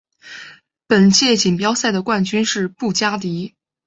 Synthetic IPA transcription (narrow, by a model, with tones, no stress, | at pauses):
pə˨˩nt͡ɕjɛ˥˩t͡ɕi˨˩ŋpjɑ˥ʊsa˥˩ɪd̪ə˩kwa˥˩nt͡ɕy˥nʂɻ̩˥˧pu˥˩t͡ɕja˥t̪i˧˥